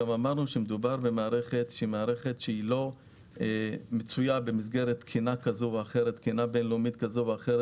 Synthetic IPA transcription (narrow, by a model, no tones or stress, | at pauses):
amamaʁnuʃemed̪ubaʁbemaːʁe̞χetʃeimaːʁe̞χe̞tʃeilo̞ | emet͡sujabe̞mis̬ɡe̞ʁet̪kʰinakazoveaχe̞ʁet̪kinabenlomit̪kazoveaχeɾe